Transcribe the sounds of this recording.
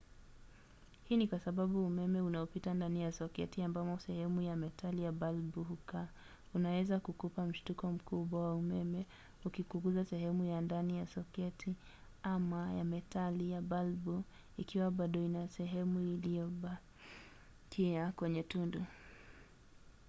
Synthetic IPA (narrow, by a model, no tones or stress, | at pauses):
hiːnikwasaɓaɓuːmɛmɛunaɔpitandanijasɔkɛ̰tiambamɔsɛhɛmujamɛtalijabalbuhuka | unawɛzakukupam̩ʃtukɔm̩kuɓwawaumɛmɛ | ukikuŋɡuzasɛɦɛmujandanijasɔkɛtʰi | amajamɛtʰalijabalbu | ikiwaɓaɗɔinasɛɦɛmuilijɔɓa | tʰiakwɛɲɛtundu